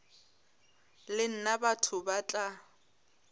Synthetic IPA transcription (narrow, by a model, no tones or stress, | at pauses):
lɪn̩nabatʰʊbat͡ɬʼa